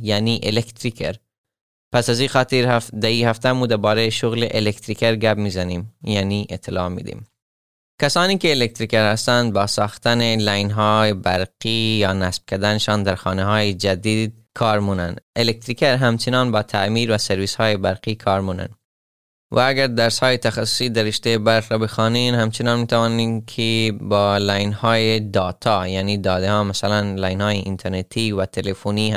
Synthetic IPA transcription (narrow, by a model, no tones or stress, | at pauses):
jæniːʔelekt̪ɾikʰeɾ | pæsæziːxɑːt̪iɾd̪æiːhæft̪æmuːd̪æɾbɒːɾejʃoɣleʔelekt̪ɾikeɾɡæbmiːzæniːmjaniʔet̪ʰːelɑːmḭːd̪ḭːm | kæsɑːniːkeːlek̚t̪ɾikeɾhæst̪ænd̪̚bɒːsɑːxt̪ænelæjnɦɑːjebæɾqiːjɒːnæsb̥̚kʰæɾd̪æneʃɑːnd̪æɾxɑːneɦɑːjed͡ʒæd̪iːd̪̚kʰɒːɾmuːnænd̪elek̚t̪ɾiːkeɾɦæmt͡ʃʰenɒːnbɒːt̪ʰæmiːɾvæseɾviːshɑːjebæɾqiːkʰɒːɾmuːnæ̰n | vææɡæɾd̪æɾshɑːjet̪ʰæxæsːo̥siːd̪æɾeʃt̪ejebæɾqɾɒːbexɑːniːnhæmt͡ʃʰenɑːnmiːt̪ævɑːninkʰebɒːlæjnhɑːjed̪ɒːt̪ʰɒːjæːniːd̪ɒːd̪ehɑːmæsælænlæːjnhɑːjeʔint̪ʰeɾnet̪ʰiːvæt̪ʰelefoni